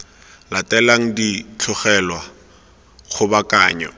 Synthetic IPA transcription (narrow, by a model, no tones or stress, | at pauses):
latʼɛlaŋ̩dit͡ɬʰɔχɛlwa | χʊbakʼaːɲɔ̰